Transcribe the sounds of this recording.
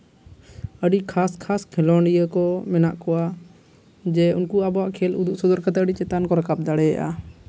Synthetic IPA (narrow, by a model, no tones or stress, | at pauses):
əɖikʰaskʰaskʰɛlɔɳɖijəkɔmɛnaʔkɔwa | d͡ʒɛunkuabɔaʔkʰɛlṵd̪uʔsɔd̪ɔɾkat̪ɛəɖit͡ʃɛt̪ankɔɾakab̚d̪aɽɛja̰ʔa̰